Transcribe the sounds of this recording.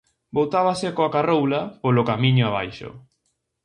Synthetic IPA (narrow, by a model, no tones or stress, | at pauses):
bowt̪aβasɪkoakarowlapolokamĩɲʊaβajʃʊ̰